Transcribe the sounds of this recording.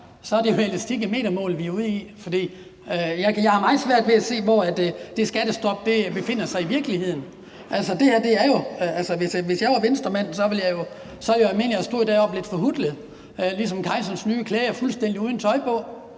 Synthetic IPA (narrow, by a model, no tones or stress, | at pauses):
sɒ̽ɐd̥e̝jo̝eləsd̥ʰiɡ̥əme̝̰ːd̥ɐmɔ̰ːlʋiuð̰ˠifɒ̽d̥ḭː | øjɑɪjɑ̈ɪhɑ̈mɑ̈ɪð̩ˠsʋæɐ̰d̥ʋe̝æse̝̰ːʋɒːæd̥d̥e̝sɡ̥æd̥əsd̥ɒ̽b̥̚d̥e̝b̥e̝fe̝n̰ɐsɑ̈ɪiʋiɐɡ̥lihe̝ð̰ˠn̩ | ʔælsəd̥e̝hæɐd̥e̝æɐjo̝ælsɐʋe̝sʋe̝sjɑ̈ɪʋɑ̈ʋensd̥ɐmæn̰sɒ̽ʋe̝ljɑɪjo̝ | sɒ̽ljoælme̝̰nlijæsd̥o̝̰ːd̥ɛ̰ːɒ̽b̥le̝d̥fɒ̽ɦud̥ləð̩ˠ | ølisɒ̽mkʰɑ̈ɪsɒ̽nsnyːkʰleːɐfulsd̥en̰d̥iuːð̞ˠn̩t͡sʰɒ̽ɪpʰɔ̽